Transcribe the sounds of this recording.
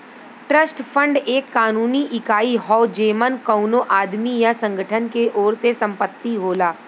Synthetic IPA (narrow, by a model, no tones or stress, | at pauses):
ʈɾəsʈpʰə̃ɳɖeːkːaːnuːniʔɪkaːiɦɔːd͡ʒeːmənkɐʊnoʔaːd̪mijasɐ̃ŋɡʱəʈʰənkeʔɔːɾsesɐ̃mpət̪ːiɦoːlaː